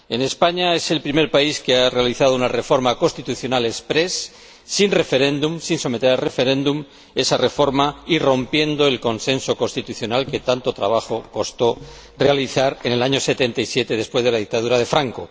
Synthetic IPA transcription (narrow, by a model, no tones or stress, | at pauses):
e̞ne̞spaɲae̞se̞lpɾime̞ɾpaiskeare̞aliθaðo̞unare̞fo̞ɾmako̞st̪it̪uθjo̞nale̞spɾe̞sː | inre̞fe̞ɾẽ̞nd̪umsinso̞me̞t̪e̞ɾalre̞fe̞ɾẽ̞nd̪um | e̞sare̞fo̞ɾmairo̞mpje̞nd̪o̞elko̞nsẽ̞nso̞ko̞st̪it̪uθjo̞nalke̞t̪ant̪o̞t̪ɾa̰β̞axo̞ko̞st̪o̞ | re̞aliθaɾe̞ne̞laɲo̞se̞t̪e̞nt̪aisje̞t̪eðe̞spwe̞zð̞e̞laðik̚t̪aðuɾað̞e̞fɾaŋko̞